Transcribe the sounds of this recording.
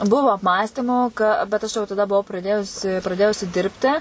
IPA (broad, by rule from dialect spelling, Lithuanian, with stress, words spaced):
ˈbʊʋoː ɐpˈmɑːsʲtʲiːmoː ˈkɐ bʲɛt ˈɐʃ jɛʊ tɐˈdɐ bʊˈʋɐʊ prɐˈdʲeːjʊsʲɪ prɐˈdʲeːjʊsʲɪ ˈdʲɪrʲpʲtʲɪ